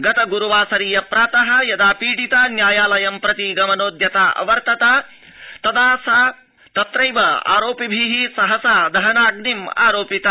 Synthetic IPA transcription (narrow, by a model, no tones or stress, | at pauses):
ɡɐt̪ɐɡuɾuʋaːsɐɾiːjɐpɾaːt̪ɐɦɐ̆jɐd̪aːpiːʈit̪anjaːjaːlɐjɐmpɾɐt̪iɡɐmɐnoːd̪jɐt̪aːʔɐ̰ʋɐɾt̪ɐt̪aː | t̪ɐd̪aːsaː | t̪ɐt̪ɾɐjʋɐa̰ːɾoːpibʱiɦisɐɦɐsaːd̪ɐɦɐnaːɡnima̰ːɾoːpit̪ɐ